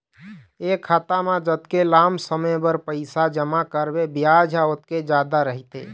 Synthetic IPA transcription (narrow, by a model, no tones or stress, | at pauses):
ekʰat̪amãd͡ʒət̪kelamsəməbəɾpəɪsad͡ʒəmakəɾbebijad͡ʒʱaot̪ked͡ʒad̪aɾəɦit̪ḛ